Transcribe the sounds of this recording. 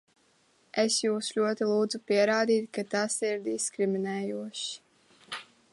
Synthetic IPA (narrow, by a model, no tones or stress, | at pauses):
esjuːsʎʲuɔt̪ilˠuːd̪zupiɛɾaːd̪iːt̪kat̪asiɾd̪iskɾiminɛːjuɔʃi̥